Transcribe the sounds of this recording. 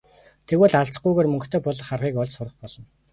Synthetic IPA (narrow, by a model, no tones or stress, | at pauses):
t̪ʰeɣwŭːɮaɮt͡sə̥̆χujɣeːrmɵ̆ŋkt̪ʰeːpʊɮ̆χarʁiːkɔɮt͡ɕsʊrə̆χpɔɮ̥ɞ̆n